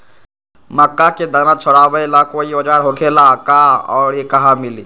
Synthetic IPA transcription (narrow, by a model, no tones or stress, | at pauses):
məkːaked̪ənãt͡ʃʰoɽabəjlakoiod͡ʒaːɾɦokʰelakaɔ̰ːɾekəɦamili